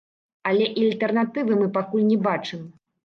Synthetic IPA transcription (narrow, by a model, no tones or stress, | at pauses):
ɐlʲɛʔialʲt̪ɛrnat̪ɨvɨmɨpakulʲnʲɛbat͡ʂɨm